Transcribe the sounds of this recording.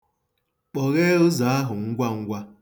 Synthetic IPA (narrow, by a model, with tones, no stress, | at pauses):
k͡pɔ˨ɣe˦ʊ˦za˨a˦ɦʊ˨ŋ̩˦ɡʷa˦ŋ̩˦ɡʷa˦